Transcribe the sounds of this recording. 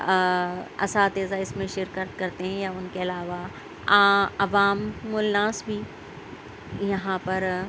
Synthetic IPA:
ɐ̰sat̪eːzaɪsmẽʃɪɾkəɾt̪kɐɾt̪eɦɛ̃jaʊnkeɐlaːʋa | ɐʋaːmːʊlnaːsbʱiː | jɐɦãpɐɾ

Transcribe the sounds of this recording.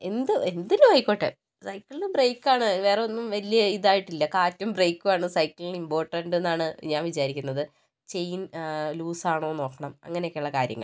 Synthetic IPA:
e̞nd̪ɨe̞nd̪inumʋɐjikːoːʈːḛ | sɐjkːɐɭilɨbreːkːaːɳɨʋe̞ːreo̞nːumʋɐlijɐiðaːjiʈːilːɐkaːtːjɐmbreːkːumaːɳɨsɐjkːɐɭilimbo̞ːrʈːɐɳɖenːaːɳɨɲaːnʋit͡ɕaːɾikʲːunːɐðɨ | t͡ɕejnluːsaːɳoːno̞ːkːɐɳɐmɐ̰ŋːɐneokːeuɭːɐkaːɾjɐ̰ŋːɐ̰ɭ

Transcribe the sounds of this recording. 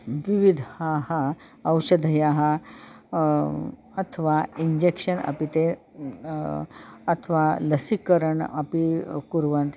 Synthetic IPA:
ʋiʋid̪ʱaːɦɐɐwʃɐd̪ʱɐjaːɦɐ | ɐt̪ʰəʋaiɲd͡ʑekʃɐnɐ̰pit̪e | ɐt̪ʰɐʋalɐsikɐɾəɳɐpikuɾʋɐnt̪

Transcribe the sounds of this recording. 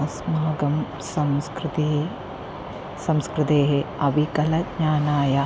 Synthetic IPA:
ɐsmaːɡɐm | sɐmskɾɪt̪iɦ | sɐmskɾɪt̪eːɦeɐʋikɐlɐdɲaːnaːjɐ

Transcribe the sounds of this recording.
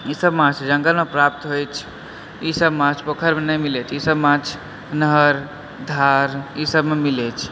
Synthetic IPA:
isəbmãt͡ʃd͡ʒə̃ŋɡəlmepɾap̚t̪ɦojt͡ʃʰ | isəbmãt͡ʃʰpəkʰəɾmenəjmilɛt͡ʃʰisəbmãt͡ʃʰ | nəɦəɾ | d̪ʱaɾisəbmemilɛt͡ʃʰ

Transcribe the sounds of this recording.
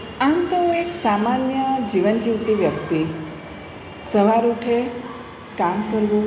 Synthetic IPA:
ãnt̪əũeksamanjəd͡ʒiʋənd͡ʒiʋt̪iʋjəkt̪i | səʋaɾuʈʰe | kamkəɾʋo

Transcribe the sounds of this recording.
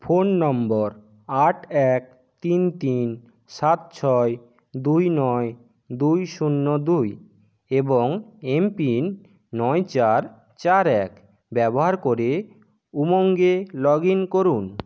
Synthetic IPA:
fʰonːɔmboɾ | aʈʰɛk̚ | t̪int̪in | ʃat̪̚t͡ɕʰɔe | d̪ujnɔe | d̪ujʃunːod̪uj | eboŋempinː | ɔet͡ɕaɾ | t͡ɕaɾɛk | bɛboɦaɾkoɾe | umoŋɡelɔɡinkoɾun

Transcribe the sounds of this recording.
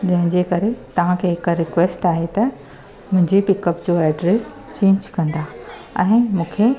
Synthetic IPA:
d͡ʑɐ̃ɦɪ̃ɲd͡ʑekɐɾet̪ɐʋ̤ãkʰeːɦɪkɾɪkʋeːsʈaːɦet̪ɐ | mʊ̃ɦɪ̃ɲd͡ʑipɪkəpd͡ʑoɛːɖɾes | t͡ɕẽːɲd͡ʑkɐ̃nd̪a | ɛ̃ːmũːkʰe

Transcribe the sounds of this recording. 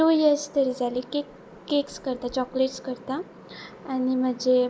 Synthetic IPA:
ʈojəst̪əɾid͡zʱalikekː | ekskəɾt̪at͡ɕɔkleʈskəɾt̪aː | ñim̤əd͡ʑe

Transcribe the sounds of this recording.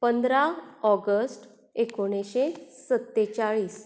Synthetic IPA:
pənd̪ɾaɔɡəsʈ | ekoɽ̃eɕesət̪ːet͡ɕaɭiːs

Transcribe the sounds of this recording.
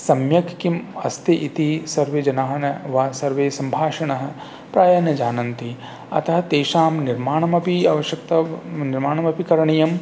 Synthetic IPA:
sɐmjɐkʰkimɐst̪eʔit̪isɐɾʋeːd͡ʒɐnaːɦɐnɐʋɐsɐɾʋeːsɐ̃mbʱaːʃɐɳɐɦ | pɾaːjɐnɐd͡ʒaːnɐnt̪i | ɐ̰t̪ɐɦɐt̪eːʃaːmnɪɾmaːɳ̃ɐmɐpiɐʋɐʃjɐk̚t̪ɐnɪɾmaːɳ̃ɐmɐpikɐɾɐɳijɐm

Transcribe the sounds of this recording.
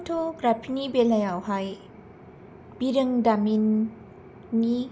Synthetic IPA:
tʰoɡɾat̚pʰinibelajawɦaj | b̥iɾəŋdaminː | i

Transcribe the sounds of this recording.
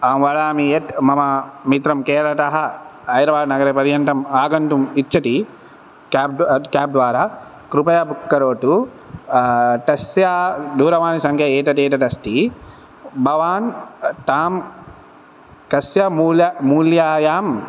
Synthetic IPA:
aːmʋɐɭaːmieʈmɐmɐmit̪ɾɐmkeːlɐʈaɦɐɐjɾɐʋaːɾnɐɡɐɾepɐɾijɐnt̪ɐmaːɡɐnt̪umitːʃɐt̪i | kaːpkaːp̚d̪ʋaːɾa | kɾupɐjabukːɐɾoːʈu | ʈɐsjad̪uːɾɐʋaːnisɐŋkʰjɐeːʈɐʈeːʈɐʈɐst̪i | bɐʋaːnt̪aːm | kɐsjamuːlamuːljaːjaːm

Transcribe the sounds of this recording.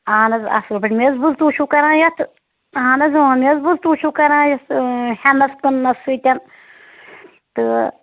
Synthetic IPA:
aːnɐzɐ̰sɨɾbɐʈʲmezbɨzt̪uːt͡ʃʰuːkɐɾãːjɐt̪ | aːnɐzʋãːmʲezbɨzt̪uːt͡ʃʰukɐɾãːjɐt̪hɐnɐskɨnːɐsɨt̪ʲɐn | t̪ɨ

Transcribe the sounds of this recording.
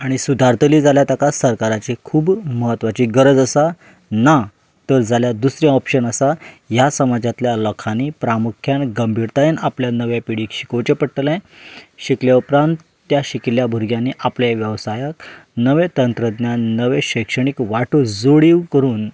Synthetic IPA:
aɽ̃isud̪ʱaɾt̪əliːd͡zaljat̪əkasəɾkaɾat͡ɕekʰuːbməɦət̪ːʋat͡ɕiːɡəɾəd͡zəsa | na | t̪əɾd͡zaljad̪usɾjãɔpɕənəsajasəmad͡zat̪ljaləkʰaniːpɾamukʰjanɡəmbʱiːɾt̪aenapljanəʋjapiɽiːkɕi̥kəwt͡ɕepəɽt̪lɛ̃ɕikljaupɾãnt̪ːjaɕikiljabʱuɾɡjanːiʔapljaʋjəʋsajəknəʋẽt̪ənt̪ɾəd̪njannəʋeɕəjkʂəɽ̃ikʋaʈod͡zoɽiʋkəɾuːn

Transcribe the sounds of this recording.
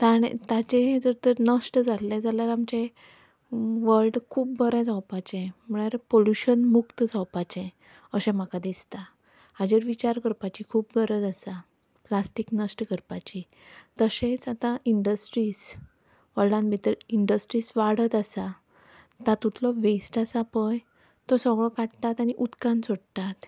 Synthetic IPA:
t̪aɽ̃ḛt̪at͡ɕẽd͡zəɾt̪əɾnəsʈd͡zʱalːɛ̃d͡zaljaɾamt͡ɕe | ʋəlɖkʰuːp̚bəɾɛ̃d͡zawpat͡ɕẽm̤əɳjaɾpoljuɕənmukt̪əd͡zawpat͡ɕẽ | əɕɛ̃m̤akad̪ist̪a | ad͡ʑeɾʋit͡ɕaɾkəɾpat͡ɕikʰuːp̚ɡʱəɾəd͡z̪asa | plasʈiknəsʈkəɾpat͡ɕi | t̪əɕẽt͡sat̪ãiɳɖəsʈɾiːs | ʋəɾɖãnbʱit̪əɾiɳɖəsʈɾiːsʋaɽət̪əsa | t̪at̪ut̪lɔʋesʈasapəj | t̪ɔsəɡɭɔkaɽt̪at̪aɽ̃iʔut̪kãnsoɽt̪at̪

